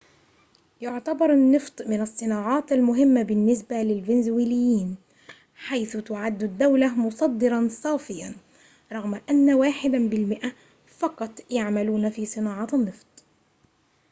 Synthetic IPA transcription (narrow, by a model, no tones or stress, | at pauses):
jʊʕt̪abɑɾˤanːɨft̪ˤmɪnɑsˤːɨnɑːʕɑːt̪almʊɦɪmːabɪnːɪsbalɪlvɪnzwiːlɪjːiːn | ħajθʊt̪ʊʕad̪ːʊd̪ːawlamʊsˤɑd̪ːɨɾˤɑnsˤɑːfɪjːan | ɾˤɑɣmaʔanːawaːħɪd̪abɪlmɪʔa | fɑqɑt̪ˤjaʕmaluːnafiːsˤɨnɑːʕɑːt̪ɑnːɨft̪ˤ